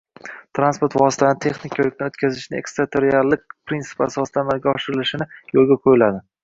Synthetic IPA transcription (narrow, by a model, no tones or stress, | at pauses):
t̪ʰɾanspoɾt̪vɒsɪ̥t̪ʰanɪt̪ʰe̞χnɪkʲʰolɪkʲnɪot̪kʲazɪʃnɪe̞̰kst̪ɾat̪ʰeɾiallːɪk̚ʲpɾint̪ɪ̥pasɒsɪd̪anaɡʲaɒʃɪɾɪlɪʃɪnɪjolˠɡʲaqʰojɪlad̪ɪ